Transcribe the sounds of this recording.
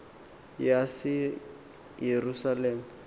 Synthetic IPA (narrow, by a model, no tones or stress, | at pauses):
jasɪ | jerusaleːmu